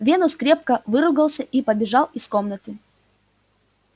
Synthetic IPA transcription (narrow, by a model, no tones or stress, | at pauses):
vʲe̞nʊskɾʲe̞p̚kəvɨɾʊɡəlˠsʲəʔipəbʲɪʐɑlˠiskomnət̪ɨ